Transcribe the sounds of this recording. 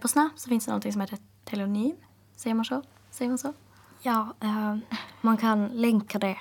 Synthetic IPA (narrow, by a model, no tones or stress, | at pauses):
pʰɔsnapsɔfɪnsd̪ɛnɔ̰nɪŋsɔmheːt̪əɾ | t̪ʰɛlɛʊnyːm | sɛɪəɾmɑnʂɔ | sɛjːəɾmɑnsɔ | jɑː | mɑnkʰɑnlɛŋkad̪ɛ